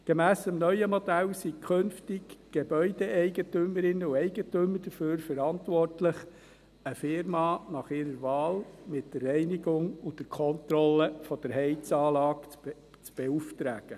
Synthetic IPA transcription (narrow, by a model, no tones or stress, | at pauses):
ɡ̥emæːsəmnœʏəmɔd̪æwsikʰχɵnftɪɡɡ̥ebœʏdeɛɪɡətyməɾɪnːəuɛɪɡətøməɾd̥əføːɾfəɾɑntʋɔrtlɪχ | əfɪɾmɑːnɑχɪɾəɾvɑːlmɪtdərɛɪnɪɡʊŋʊdəɾkʰɔnt̪ɾɔlːəfɔd̥əɾɦɛɪt͡sɑːlɑːkt͡s | t͡sb̥euftɾæːɡ̥ə